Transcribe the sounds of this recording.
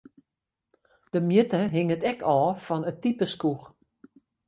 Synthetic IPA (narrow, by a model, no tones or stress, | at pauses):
d̥əmjətəɦɪŋətɛkʰɔːfɔnətipəskux